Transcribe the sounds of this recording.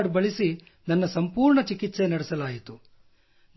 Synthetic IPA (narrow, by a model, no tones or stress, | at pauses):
ɖbɐɭisi | nɐnːɐsɐmpuːɾɳɐt͡ʃikit̪se̞nɐɽɛsɐlaːjit̪u | n